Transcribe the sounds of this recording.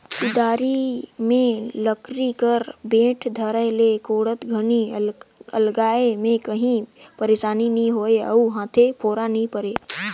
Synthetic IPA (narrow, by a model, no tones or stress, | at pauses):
kɪd̪aːɾimẽləkɾikəɾbẽːʈʰd̪ʱəɾəlekoːɽət̪ɡʱəni | ə̰lɡaːemẽkəɦĩpəɾeːʃaːninɐɦĩɦoːeɐ̰uɦãːt̪ʰepʰoːɾanɐɦĩpəɾeː